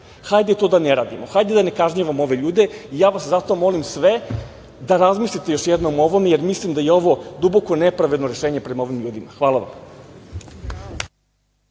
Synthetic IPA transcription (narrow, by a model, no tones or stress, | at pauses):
xajd̪et̪od̪aneɾaːd̪imoxajd̪ed̪ane̞kaʒɲaʋamo̞ʋe̞ʎuːd̪e̞ijaːʋaszat̪o̞mo̞limsʋe̞ | d̪aɾazmislit̪e̞jo̞ʃjed̪no̞moʋo̞me̞jeɾmislimd̪ajeo̞ʋo̞d̪ubo̞ko̞nepɾaʋe̞d̪noɾe̞ʃe̞ːɲe̞pɾe̞mao̞ʋimʎuːd̪imaxʋaːlaʋa̰m